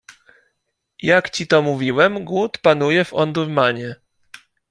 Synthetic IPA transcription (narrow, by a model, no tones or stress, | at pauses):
jakt͡ɕit̪ɔmuvʲiwɛmɡwut̪panujɛvɔnd̪uɾmaɲɛ